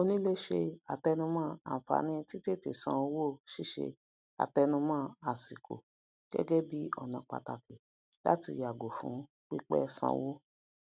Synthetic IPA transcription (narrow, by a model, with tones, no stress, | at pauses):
o˧nĩ˦le˦ʃe˧a˨tɛ˧nũ˧mãː˦ã̰˨fa̰˨˦nĩ˦ti˦te˦˨te˨sã˧wo˦˨ʃi˦ʃḛ˧ | a̰˨tɛ˧nũ˧mãː˦˧a˨si˨kʰo̰˨ | ɡ̥ɛ̰˦ɡɛ˦bi˦ɔ˦˨nã˧˨k͡pa̰˨ta˨ki˨ | la̰˦ti˧˦ja˨ɡo˨fṵ̃˨˦ | k͡pi˦k͡pɛ̰˦sã̰˧wo˦